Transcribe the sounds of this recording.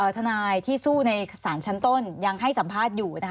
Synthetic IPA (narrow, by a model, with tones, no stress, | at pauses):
ʔɤː˨˩t̪ʰa˧naː˧jt̪ʰiː˥˩suː˥˩na˧jsaː˩˦nt͡ɕʰa˦˥nt̪o˥˩nja˧ŋɦa˥˩jsa˨˩˦mpʰaː˥˩t̪̚juː˨˩na˦˥kʰ